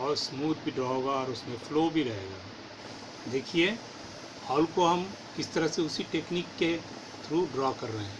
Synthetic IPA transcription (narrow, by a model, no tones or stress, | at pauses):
ɔːɾsmuːd̪̚bʱiɖɾaːoɡaɔːɾʊsmẽfloːbʱiɾɐɦeːɡaː | d̪eːkʰie | hɔːlkoɦɐm | kɪst̪ɐɾəɦseʊsiʈeːkniːkːe | t̪ʰɾuːɖɾɔːkɐɾːəɦɛ̃ː